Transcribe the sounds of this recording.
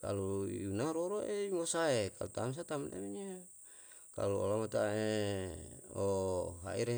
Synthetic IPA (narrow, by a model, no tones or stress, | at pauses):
ka̰lujunaɾoɾoʔeimosaeka̰lut̪ams̬at̪amna̰miɲa | ka̰luo̰lamat̪ae | oɦa̰iɾe